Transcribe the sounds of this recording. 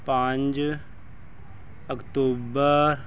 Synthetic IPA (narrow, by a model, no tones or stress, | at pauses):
pãɲd͡ʒ | əkt̪oːbəɾ